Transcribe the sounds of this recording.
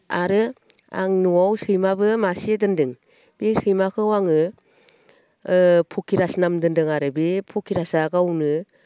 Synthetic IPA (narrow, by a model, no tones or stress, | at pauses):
aɾɯ | a̰ŋnuawsɯjmabɯmasiedɯndɯŋ | b̥esɯjmakʰɯwaŋɯ | pʰokʰiɾasnamdɯndɯŋaɾɯbepʰokʰiɾasaɡawnɯ